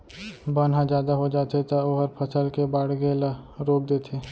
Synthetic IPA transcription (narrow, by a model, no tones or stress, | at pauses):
baːnɦãd͡ʒjaːd̪aɦod͡ʒaːt̪et̪ɐoɦəɾpʰɐsəlkebaːɽ̤ɡelaɾoːk̚d̪eːt̪ʰeː